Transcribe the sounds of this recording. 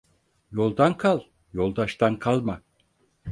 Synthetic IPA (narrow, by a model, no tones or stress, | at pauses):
jolˠd̪ankʰalˠ | jolˠd̪aʃt̪ankʰalˠma